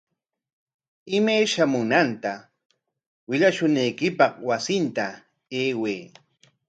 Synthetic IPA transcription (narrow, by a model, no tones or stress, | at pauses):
ɪmajʃamʊnant̪a | wɪʎaʃʊnajkɪpɑχwasɪnt̪a | eːweː